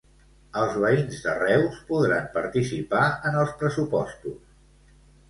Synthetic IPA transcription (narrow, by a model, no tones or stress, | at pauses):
əlˠzβəinzðərɛwspuðɾampəɾt̪isipaənəlˠspɾəsupɔst̪us